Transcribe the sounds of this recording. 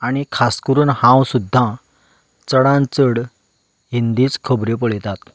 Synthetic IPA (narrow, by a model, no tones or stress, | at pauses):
aɽ̃ikʰaskəɾuːnhãwsud̪ʱːã | t͡səɽãnt͡səɽ | ɦind̪it͡skʰəbɾep̬əɭjt̪at̪